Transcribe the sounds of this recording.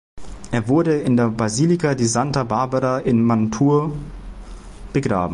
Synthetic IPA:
ʔeːɐvʊɐdəɪndeːɐbʁaziːlikadizantɐbaɐbaʁaʔɪnmantʰuːɐ | b̥əɡʁa̰ːbm̩

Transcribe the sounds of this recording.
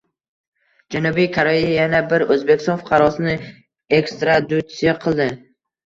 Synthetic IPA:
d͡ʒanubijkʰoɾejajanabɪɾɵzbekʲɪ̥st̪ɒnfʊ̥qʰɑɾɒsɪnɪ | e̞kst̪ɾad̪ut̪sijaqʰɨlˠd̪ɪ

